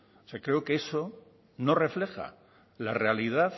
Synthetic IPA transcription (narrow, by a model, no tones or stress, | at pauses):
oseakɾe̞okeeso̞ | no̞re̞fle̞xa̰ | lare̞aliðaθ